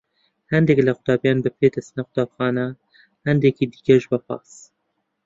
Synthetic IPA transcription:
hɛnd̪ɛklɐxʊt̪ɑːbjɑːnbɨpʰeːd̪ɛsnɛxʊ̥t̪ɑːbxɑːnɐ | hɛnd̪ekiːd̪i̥kɛʒbɐpɑ̰ːs

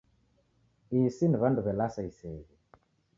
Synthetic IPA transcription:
isiniβanduβɛlasaisɛːβi

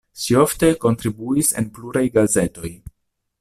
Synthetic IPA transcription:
ʃio̞fte̞ko̞ntɾibuise̞̰npluɾajɡaze̞to̞j

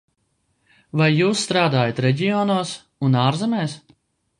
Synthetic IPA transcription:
vajːuːsːt̪ɾaːd̪aːjat̪ɾɛɟʲijɔːnuːs | unaːɾzɛmɛːs

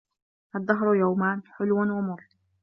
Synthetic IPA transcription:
ʔɑd̪ˤːɑɦɾˤjawmaːnħʊlwanwɪmʊɾˤː

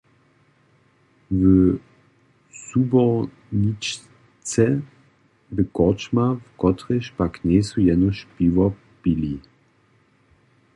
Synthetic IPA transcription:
və | subɔ | nit͡ʃ | t͡sɛ | vəkɔt͡ʃmavkɔtʁeʃpaknesujɛnɔʃpivɐ | b̥ili

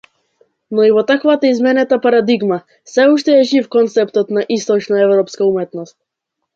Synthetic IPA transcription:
nɔivɔt̪akvat̪aizmɛnɛt̪apaɾad̪iɡma | sɛuʃt̪ɛɛʒifkɔnt̪sɛpt̪ɔt̪naʔist̪ɔt͡ʃnaɛvɾɔpskaumɛt̪nɔst̪̚

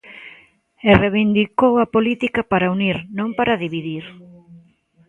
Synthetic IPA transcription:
ereβind̪ikowɐpolit̪ikapaɾauniɾnõmpaɾaðiβiðiɾ

